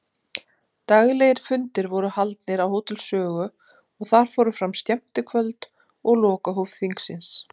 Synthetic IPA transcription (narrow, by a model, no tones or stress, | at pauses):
t̪aɣlejɪɾ̥fʏnt̪ɪɾvɔɾʏhalt̪nɪɾawɦoːwt̪ʏlsœːɣʏ | ɔɣθaɾ̥fɔːwɾʏfɾamst̪ɛm̥t̪ɪkʰvœlt̪ | ɔɣlɔːkaɦowvθiŋksɪns